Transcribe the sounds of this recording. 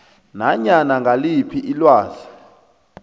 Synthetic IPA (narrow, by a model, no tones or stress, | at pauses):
naɲanaŋɡʱalipʰiʔilwaːɮa